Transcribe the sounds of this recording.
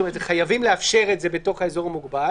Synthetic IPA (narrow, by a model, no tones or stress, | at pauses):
omeetχajavimleafʃe̞ʁetze̞beto̞χae̞zo̞ʁamuɡba